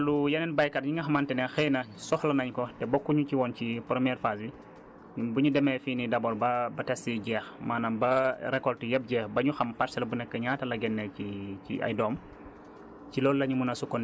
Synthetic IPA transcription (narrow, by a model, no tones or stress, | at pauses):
lujɐnɛnbɐjkɐtɲiŋɡɐxɐmantɛnɛxɛjnɐsɔxlɐnɐɲkɔtɛbɔkːuɲuciwɔncipɾəmjɛːɾfasji | buɲudɛmɛfiːnidɐbɔlbɐbɐtɛsiɟɛːxmaːnɐmbɐɾɛkɔltujɐp̚ɟɛːxbɐɲuxɐmpɐɾsɐlɐbunɛkːəɲaːtɐlɐɡɛnːɛcicḭɐ̰jdɔːm | cilɔːllɐɲumunɐsukɔn